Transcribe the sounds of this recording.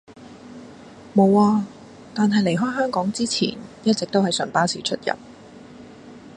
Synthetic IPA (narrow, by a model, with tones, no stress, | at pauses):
mo˨˧waː˧ | t̪aː˨nɦɐ˨jle˨˩jɦɔː˥jɦœː˥ŋkɔː˨˥ŋt͡siː˥t͡sʰḭː˨˩njɐ˥t̚t͡sk̚t̪o˥whɐ˨jsœ˨˩ŋpaː˥siː˨t͡ʃʰɵ˥t̚jɐ̰˨p̚